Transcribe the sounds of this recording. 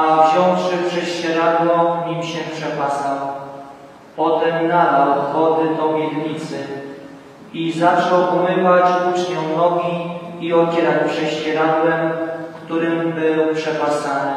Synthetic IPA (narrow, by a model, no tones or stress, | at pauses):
avʑɔ̃w̃fʂɘpʂɛɕt͡ɕɛɾad̪lɔ̃ɲimɕɛpʂɛpasaw | pɔt̪ɛmnad̪awxɔd̪ɘd̪ɔmʲjɛɾɲit̪sɘ | izat͡ʂɔwʔumɘvat͡ɕut͡ʂɲɔw̃nɔɡʲiiɔd͡ʑɛɾat͡ɕpʂɛɕt͡ɕɛɾad̪lɛmkt̪uɾɘmbɘwpʂɛpasanɘ